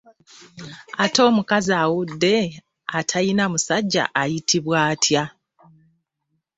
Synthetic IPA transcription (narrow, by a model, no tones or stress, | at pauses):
ato̞ːmukazaːwudːe̞ | atʰajinamusaɟːa̰ʔajitʰiβwaːtʰja